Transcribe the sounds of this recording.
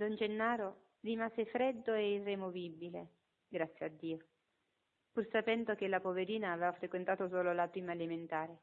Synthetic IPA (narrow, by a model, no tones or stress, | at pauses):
d̪ɔnd͡ʒenːaːɾo | rimaːzefɾed̪ːoeirːemovibile | ɡɾat̪sːjead̪ːiːo | pursapɛnd̪ok̟elapoveɾiːnaːveːvafɾekwent̪aːt̪osoːlolapɾiːmaeliment̪aːɾe